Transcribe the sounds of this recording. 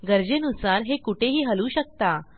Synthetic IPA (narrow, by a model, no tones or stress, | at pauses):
ɡəɾd͡ʑenusaɾɦekuʈʰeɦiːɦəluːɕək̚t̪a